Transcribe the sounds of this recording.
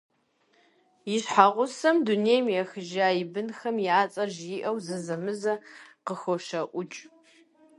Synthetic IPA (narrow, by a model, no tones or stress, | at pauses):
jɪɕħaʁʷʊsɐmduneːjmjɛxɨʒaːjɪbɨnxɐmjaːt͡sʼɐʒjɪʔɐwzɐzɐmɨzɐqəxʷɔʃɐʔʷʊt͡ʃʼ